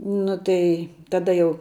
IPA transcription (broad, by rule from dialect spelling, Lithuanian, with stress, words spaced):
ˈnʊ tɐɪ tɐˈdɐ jɛʊ